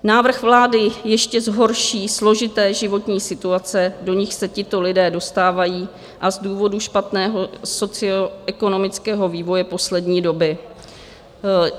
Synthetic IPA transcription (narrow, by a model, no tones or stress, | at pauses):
naːvr̩xvlaːdɪjɛʃcɛzɦo̞ɾʃiːslo̞ʒɪt̪ɛːʒɪvo̞t̪ɲiːsɪt̪uat͡sɛdo̞ɲɪxsɛcɪt̪o̞lɪdɛːdo̞st̪aːvajiː | ʔazduːvo̞duʃpat̪nɛːɦo̞so̞t͡sɪoʔɛko̞no̞mɪt͡skɛːɦo̞viːvo̞jɛpo̞slɛdɲiːdo̞bɪ